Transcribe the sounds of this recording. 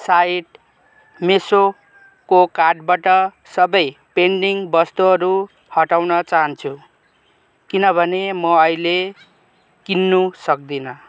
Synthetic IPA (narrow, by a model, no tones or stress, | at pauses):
saiʈ | meso | kokarɖbaʈʌ | sʌbʌjpeɳɖiŋbʌst̪uɦʌɾu | hʌʈawnʌt͡saɦʌnt͡sʰu | kinʌbʱʌnemʌʌjle | kinːusʌk̚d̪inʌ